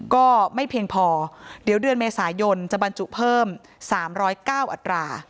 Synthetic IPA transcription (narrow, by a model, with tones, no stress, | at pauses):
kɔː˥˩ma˥˩jpʰi˧ŋpʰɔː˧di˨˩˦wdɯ˧nmeː˧saː˩˦jo˧nt͡ɕa˨˩ʔba˧nt͡ɕu˨˩ʔpʰɤː˥˩m | saː˩˦mɾɔː˦˥jkaː˥˩wʔa˨˩t̪ɾaː˧